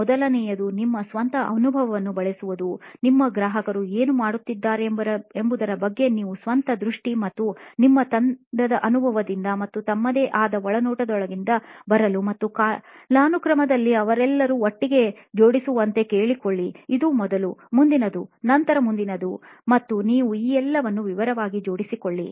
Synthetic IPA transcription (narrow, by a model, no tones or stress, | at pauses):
ɔd̪ɐlɐnɛjɐd̪unimːɐsʋɐnt̪ɐʔɐnubʱɐʋɐʋɐnːubɐɭesuʋud̪unimːɐɡɾaːɦɐkɐɾueːnumaːɽut̪ːid̪ːaːɾembɐɾembud̪ɐɾɐbɐɡːe̞niːʋusʋɐnt̪ɐd̪ɾuʂʈimɐt̪ːunimːɐt̪ɐnd̪ɐd̪ɐʔɐnubʱɐʋɐd̪ind̪ɐmɐt̪ːut̪ɐmːɐd̪eːʔaːd̪ɐɔɭɐnuːʈɐd̪ɔɭɐɡind̪ɐbɐɾɐlumɐt̪ːukalaːnukɾɐmɐd̪ɐlːiɐʋɐɾɛlːɐɾuoʈːiɡe̞ | d͡ʒo̞ːɽisuʋɐnt̪e̞ke̞ːɭikoɭːiːd̪umɔd̪ɐlumund̪inɐd̪unɐnt̪ɐɾɐmund̪inɐd̪u | mɐt̪ːuniːʋuiːɛlːɐʋɐnːuʋiʋɐɾɐʋaːɡid͡ʒo̞ːɽisikoɭːi